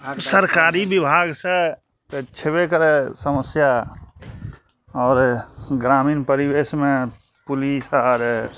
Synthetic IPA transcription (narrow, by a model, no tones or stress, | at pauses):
səɾkaɾibibʱaɡsẽ | t̪t͡ʃʰebekəɾesəməsja | ɔːɾɡɾaminpəɾibesme | pulisaɾ